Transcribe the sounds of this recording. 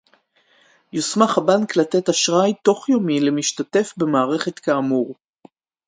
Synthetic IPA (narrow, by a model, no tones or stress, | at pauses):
josmaχabanklate̞taʃʁajto̞χjo̞mile̞miʃtate̞fbe̞maːʁe̞χe̞t̪kaːmuʁ